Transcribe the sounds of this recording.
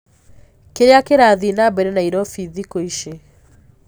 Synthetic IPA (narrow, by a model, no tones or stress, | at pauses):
keɾeakeɾaðinabɛɾɛnaiɾɔfiðikoiʃe